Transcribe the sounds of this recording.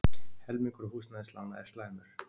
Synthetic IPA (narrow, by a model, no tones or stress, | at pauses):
hɛlmiŋkʏɾhuːsnaðstlana̰ɛ̰st̪lamʏɾ̥